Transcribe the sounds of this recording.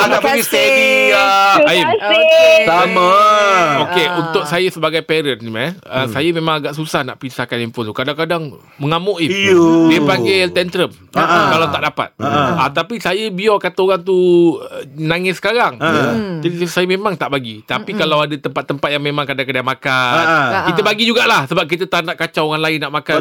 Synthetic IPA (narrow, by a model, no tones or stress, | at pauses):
aaasei | im | amaokeunt̪ʊk̚sajasəbaɡajpɛɾənimaəsajamẽmaŋaɡaʔsusahna̰ʔpisahkanimpont̪ukadaŋkadaŋ | məŋamʊʔidiəpaŋɡet̪ɛnt̪ɾəm | kalat̪aʔdapa̰t̪̚əat̪apisajəbiɔkat̪aoɾaŋt̪u | naŋɪsə̥kaɾaŋd͡ʒadisajəmemaŋt̪aʔbaɡit̪apikalawadat̪əmpat̪ːəmpat̪̚jaŋmẽmãŋkadaŋkadaŋmakakit̪əbaɡid͡ʒuɡaʔlahsəbap̚k̬it̪ət̪anaʔkat͡ʃaoɣaŋlaɪnːaʔmaka